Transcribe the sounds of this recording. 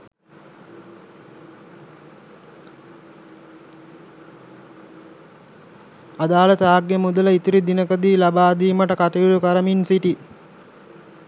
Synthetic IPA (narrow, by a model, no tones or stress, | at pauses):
ad̪aːlət̪aːɡːemud̪ələit̪iɾid̪inəkəd̪iːlabaːd̪iːməʈəkaʈiilukaɾəminsiʈi